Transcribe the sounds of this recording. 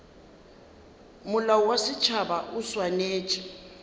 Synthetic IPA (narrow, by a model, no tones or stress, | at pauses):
mʊlauwasɪt͡ʃʰabaʔuswaneːt͡ʃʼɛ